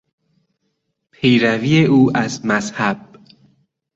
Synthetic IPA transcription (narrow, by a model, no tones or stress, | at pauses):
pʰejɾæviːeʔuːʔæzmæzhæb̥̚